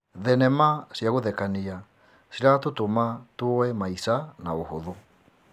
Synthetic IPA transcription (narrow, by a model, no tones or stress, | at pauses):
ðɛnɛmasjaɣoðɛkania | siɾatotomatuɔɛmaisanaohoðo